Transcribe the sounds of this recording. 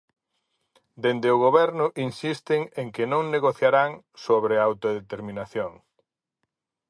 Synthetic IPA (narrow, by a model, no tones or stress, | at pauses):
d̪end̪ɪʊɣ̞oβɛɾnʊʔinsist̪ɪŋeŋkɪnõŋneɣoθjaɾaŋ | soβɾeawt̪oðet̪eɾmĩnaθjoŋ